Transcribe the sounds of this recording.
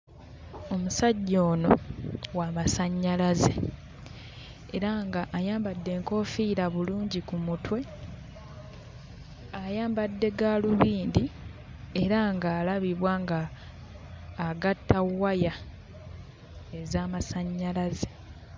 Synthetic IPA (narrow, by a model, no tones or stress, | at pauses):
o̞musaɟːo̞ːno̞waːmasaɲːalaze̞̰ | eɾaŋɡaʔːjaːmbadːe̞ːŋko̞fiːɾaβuluːɲɟikumutwe̞ | ajaːmbadːe̞ɡaluβiːndi | e̞ɾaŋɡaːlaβiβwaːŋɡa | ɡatːawaja | ezaːmasaɲːalaze̞